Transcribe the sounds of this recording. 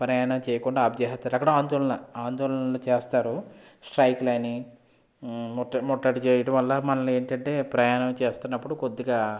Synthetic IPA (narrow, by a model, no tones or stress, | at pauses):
pɾɐjaːnɐmt͡ʃɛːjɐkuɳɖaːbd̪ɛːɦɐt̪ːaːɾɐkːɐɽaːnd̪ɔːlɐnɐaːnd̪ɔːlɐnlot͡ʃeːst̪aːɾu | sʈɾɐjkulɐni | mːɐmɔʈːɐʈit͡ʃeːjɐɽɐmʋɐlːɐmɐnɐle̞ːɳʈɐɳʈe̞ːpɾɐjaːnɐmt͡ʃeːst̪unːɐpːuɽukod̪ːiɡaː